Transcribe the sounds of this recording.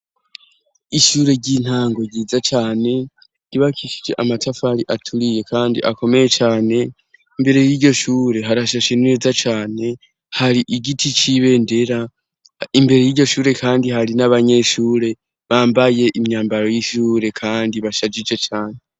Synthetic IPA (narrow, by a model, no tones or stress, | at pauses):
iʃuːɾe̞ɟin̥haːŋɡo̞ɟiːzat͡ʃaːne̞ | ɾiβakʰiʃi̥d͡ʒe̞ʔamatʰafahaɾiʔatʰuɾije̞kaːndḭʔako̞me̞je̞t͡ʃaːne̞ | imbe̞ɾe̞jiːɾɟo̞ʃuːɾe̞ɦaɾaʃaʃenneːzat͡ʃaːne̞ | haɾiʔiɡitʰit͡ʃiβe̞ːnde̞ɾa | imbe̞ɾe̞jiːɾɟo̞ʃuːɾe̞kaːndiɦaɾinaβaɲe̞ʃuːɾe̞ | βaːmbaje̞ʔimɲaːmbaɾo̞jiʃuːɾe̞kʰaːndiβaʃad͡ʒid͡ʒe̞t͡ʃaːne̞